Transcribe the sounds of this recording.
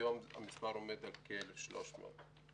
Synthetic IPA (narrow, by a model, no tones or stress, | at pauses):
oma̰mispaʁo̞med̪alkelefʃlo̞̰ʃmḛo̰t̪